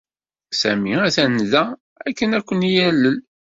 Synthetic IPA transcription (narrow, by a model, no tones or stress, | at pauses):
sæmiæθænðæ | ækːənækʷːənjælːəl